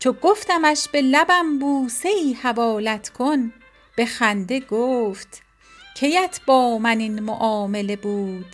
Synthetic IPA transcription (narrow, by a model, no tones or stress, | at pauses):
t͡ʃʰoɡoft̪æmæʃb̥e̞læbæmbuːse̞iːhævɒːlæt̪ʰkʰon | b̥e̞xænd̪e̞ɡoːft̪ | cʰe̞jæt̪ʰb̥ɒːmæninmo̰ʔɒːme̞le̞buːd̪̥